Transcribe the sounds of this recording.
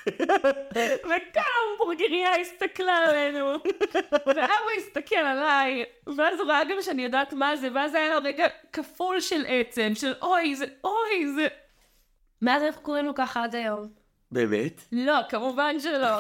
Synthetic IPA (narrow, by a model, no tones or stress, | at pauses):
vekambuʁɡiʁiaist̪ɐklaalenu | niaweist̪akelalajveazʁoaɡamʃeanijo̞daːtmazeveazajalʁeɡakafulʃelʔet͡se̞mʃelʔojzeʔojze | meazanaχkoenukaχaad̪ajo̞m | beːmetlo̞kamuvanʃelo